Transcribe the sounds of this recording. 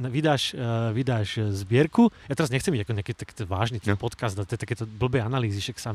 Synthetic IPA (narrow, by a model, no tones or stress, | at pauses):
nʋid̪aːʃʋid̪aːʒzbɪɛɾkujat̪ɛɾazɲɛxt͡sɛmiɟakɔɲɛakɛt̪t̪aki̥t̪ɛʋa̰ːʒniːt̪ɛnpɔt̪kazd̪at̪ɛt̪akɛːt̪ɔbl̩bɛːanaliːziʃaksam